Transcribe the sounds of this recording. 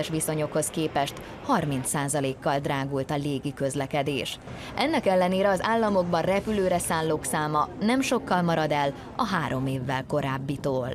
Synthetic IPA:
ɛʃʋiso̞ɲo̞kho̞skeːpɛʃt̪ | hɒrmint̪saːzɒleːkːɒld̪raːɡult̪ɒleːɡikø̞zlɛkɛd̪ḛːʃ | ʔɛnːɛkɛlːɛneːɾɛɒzaːlːɒmo̞ɡbɒnrɛpyløːɾɛsaːnloːksaːmɒnɛmʃo̞kːɒlmɒɾɒd̪ɛl | ɒ̰ɦaːɾo̞meːvːɛlko̞ɾaːbːit̪oːl

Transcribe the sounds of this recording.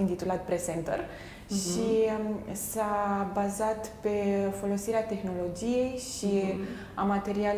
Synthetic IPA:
int̪it̪ulat̪̚pɾe̞sent̪ə̰r | ʃi | sabazat̪pe̞fo̞lo̞siɾeat̪e̞xno̞lo̞d͡ʒije̞jʃi | amat̪e̞ɾial

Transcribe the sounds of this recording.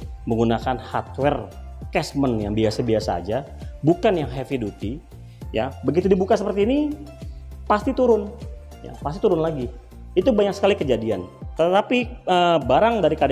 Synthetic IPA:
məŋɡunakanhart̪̚wɛrkɛsmənjaŋbiasabiasa̰ːd͡ʒa | bukanjaŋɦɛfidut̪i | ja̰bəɡit̪udibukasəpərt̪iːni | past̪it̪uɾʊn | ja̰past̪it̪uɾʊnlaɡi | it̪ubaɲaksə̥kalikəd͡ʒadiant̪ət̪apiəbaɾaŋdaɾikad

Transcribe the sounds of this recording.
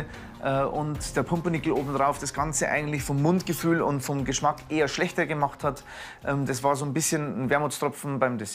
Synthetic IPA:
ʔɛːʔʊntd̥eːɐpʰʊmpənɪkl̩ʔoːbm̩d̥ʁaʊfd̥asɡ̥ant͡səʔa̰ɪɡŋ̩tlɪçfɔmːʊntɡ̥əfyːlʊ̰ntfɔmɡəʃmakʔeːɐʃlɛçtɐɡəmaχthat | ʔɛːmdasv̥aːɐzoːnbɪsçənn̩vɛːɐmʊstʁ̥ɔp͡fn̩baɪmdɛs

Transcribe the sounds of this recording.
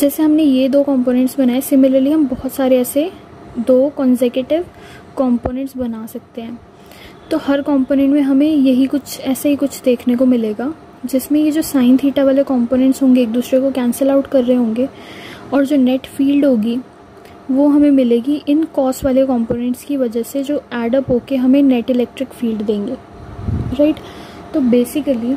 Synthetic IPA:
d͡ʒɛːseɦɐmnejed̪oːkɔ̃ːmpoːnɛ̃ɳʈsbɐnaːesɪmɪləɾliɦɐ̃mbɔɦʊt̪saːɾeɛːse | d̪oːkɔ̃ːnsekeʈɪʋ | kɔ̃ːmpoːnɛ̃ɳʈsbɐnaːsɐk̚t̪eɦɛ̃ː | t̪oːhɐɾkɔ̃ːmpoːnɛ̃ɳʈmẽɦɐmẽjɐɦikʊt͡ʃʰɛːsaɦikʊt͡ʃʰd̪eːkʰnekomɪleːɡaː | d͡ʒɪsmẽjed͡ʒoːsaːɪ̃nt̪ʰiːʈaʋaːlekɔ̃ːmpoːnɛ̃ɳʈsɦõːŋɡeːk̚d̪uːsɾekokɛ̃ːnsəlaʊʈkɐɾːeɦeɦõːŋɡeɔːɾd͡ʒoːnɛʈfiːlɖɦoːɡi | ʋoɦɐmẽmɪleːɡiʔɪnkɔːsʋaːlekɔ̃ːmpoːnɛ̃ɳʈskiʋɐd͡ʒəɦsed͡ʒoːɛːɖəpɦoːkeɦɐmẽnɛʈɪlɛːk̚ʈɾɪkfiːlɖd̪ẽːŋɡeː | ɾaɪʈt̪oːbeːsɪkəli

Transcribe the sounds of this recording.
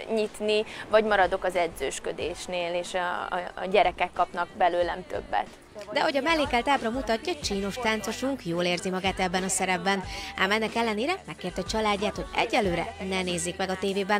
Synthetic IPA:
ɲit̪nivɒɟmɒɾɒd̪o̞kɒzɛd̪zøːʃkød̪eːʃneːleːʃ | ɟɛɾɛkɛkːɒpnɒɡ̚bɛløːlnɛmt̪ø̰bːɛ̰t̪ | d̪ɛho̞ɟɒmɛlːeːkɛlt̪aːbrɒmut̪ɒcːɒt͡ʃiːno̞ʃt̪aːnt̪so̞ʃuŋkjoːleːrzimɒɡaːt̪ɛbːɛnɒsɛɾɛbːɛna̰ːmɛnːɛkɛlːɛneːɾɛmɛkːeːrt̪ɛt͡ʃɒlaːɟːaːt̪ho̞ɟɛ̰ɟːɛlːøːɾɛ̰nɛneːzːikmɛɡɒt̪eːveːbɛn

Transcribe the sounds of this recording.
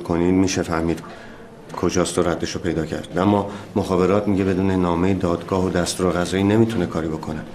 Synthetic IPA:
kʰo̞niːd̪miːʃefæhmiːd̪̥ | kʰo̞d͡ʒɒːst̪oɾæd̪ːeʃopʰe̞jd̪ɒːcʰæ̰ɾd̪̥æmːɒːmoxɒːbe̞ɾɒːt̪ʰmiɟe̞be̞d̪uːne̞nɒːme̞jed̪ɒːd̪ɡɒːɦod̪æst̪uːɾeɣæzeiːne̞mit̪ʰune̞kʰɒːɾiːbo̞kʰo̞ne

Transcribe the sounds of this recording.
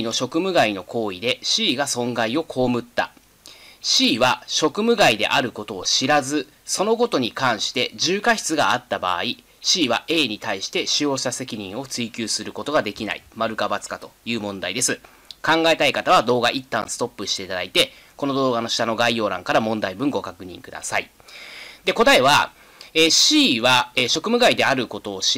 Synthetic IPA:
ino̞ɕo̞kɯ̟mɯ̟ɡaino̞kʰo̞ːid̪e̞ɕiːɡasõ̞ŋɡaio̞kʰo̞ːmɯ̟t̪ːa̰ | ɕiːβaɕo̞kɯ̟mɯ̟ɡaid̪e̞̰ʔaɾɯ̟ko̞t̪o̞ːɕiɾazɨ | so̞no̞ɡo̞t̪o̞ɲ̟ikãɰ̃ɕi̥t̪e̞ʑɨːkaçi̥t͡sɨɡaat̪ːaba̰ːi | ɕiːβaʔe̞ːɲ̟it̪aiɕi̥t̪e̞ɕijo̞ːɕt̪ase̞kʲiɲ̟ĩɰ̃o̞t͡sɨikʲɨːsɨɾɯ̟ko̞t̪o̞ɡad̪e̞kʲina̰ḭmaɾɯ̟kabat͡sɨ̥kat̪o̞̥jɯ̟ːmõ̞nd̪aid̪e̞sɨ | kãŋɡae̞t̪aikat̪aβ̞ad̪o̞ːɡaʔit̪ːã̰ɰ̃sɨ̥t̪o̞pːɯ̟ɕi̥t̪e̞it̪ad̪ait̪e̞ | ko̞no̞d̪o̞ːɡano̞ɕi̥t̪ano̞ɡaijo̞ːɾã̰ŋkaɾamõ̞nd̪aibɯ̟̃ŋɡo̞kakɯ̟ɲ̟ḭ̃ŋkɯ̟d̪a̰sai | d̪e̞ko̞t̪aeβa | eːɕiːβaeɕo̞kɯ̟mɯ̟ɡaid̪e̞aɾɯ̟ko̞t̪o̞ːɕ

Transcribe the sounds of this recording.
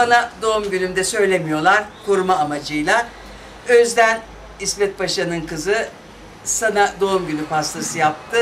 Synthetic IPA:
sanad̪o̞umɟylʲymd̪ɛsø̞jlʲemijo̞lˠaɾkʰuɾmaːmad͡ʒɯjlˠa | øzd̪æn | ismɛt̪̚baʃanɯnkɯzɯ | sanad̪o̞umɟylʲypast̪ʰasɯjap̚t̪ʰɯ

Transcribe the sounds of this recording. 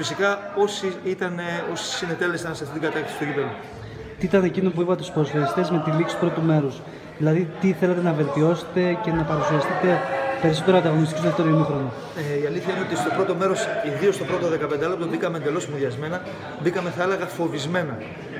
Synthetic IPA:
fisikɐo̞siit̪ɐneo̞si̥sine̞t̪e̞le̞st̪ɐnsɐft̪it̪iɡɐt̪ɐɾkt̪esist̪oɟit̪olo | t̪iit̪ɐne̞cinop̬uipɐt̪eusposfeist̪ezme̞t̪iliksst̪upɾo̞t̪ume̞ɾus | ðilɐðit̪iθele̞t̪e̞nɐve̞lt̪io̞se̥t̪e̞ce̞nɐpɐɾusiɐst̪it̪e̞pe̞ɾiso̞t̪eɾoɐnd̪ɐɣo̞nist̪ikosðeft̪oɾoiinoxɾono | iɐliθçɐineo̞t̪ist̪o̞pɾo̞t̪o̞me̞ɾo̞siðio̞st̪o̞pɾo̞t̪oðe̞kɐpend̪eɐloput̪obikɐmend̪e̞lo̞simoðʝɐzme̞nɐ | bikɐme̞θɐelɐɣɐfo̞vizme̞nɐ

